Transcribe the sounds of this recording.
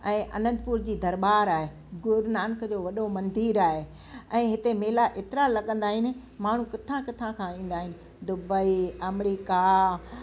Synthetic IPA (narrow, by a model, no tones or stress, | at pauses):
ɛ̃ːʔɐ̰nə̃nd̪̚puɾd͡ʑiːd̪ɐɾɓaːɾaːɦe | ɡʊɾnaːnkd͡ʑoːʋɐɗomɐ̃nd̪iːɾaːɦe | ɛ̃ːɦɪt̪emeːlaʔeːt̪ɪɾalɐɠə̃nd̪aːɦɪnɪ̆ | maːɳ̤ũkɪt̪ʰãkɪt̪ʰãkʰãĩːn̆d̪aːɦɪnɪ̆ | d̪ʊbəiɐmɾiːka